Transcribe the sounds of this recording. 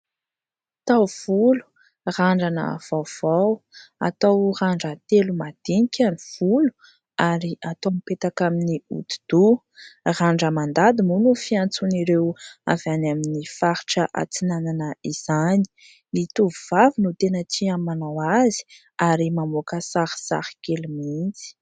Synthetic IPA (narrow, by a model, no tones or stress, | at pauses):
t̪awv̥ulu̥ | raɳɖ͡ʐanə̰v̥awv̥awa̰t̪awraɳɖ͡ʐət̪elumad̪̥inikʲʰaniv̥ulu̥ | aɾiʔat̪omipet̪akaminiṵt̪u̥d̪̥u | raɳɖ͡ʐəmand̪ad̪imunufiant͡suniɾewa̰vanaminifaɾiʈ͡ʂəʔa̰t͡sinananəiz̥ani̥ | nit̪uvuvavinut̪enəʈ͡ʂiamanawazi̥ | aɾimamokəsaɾsa̰ɾkelumint͡si̥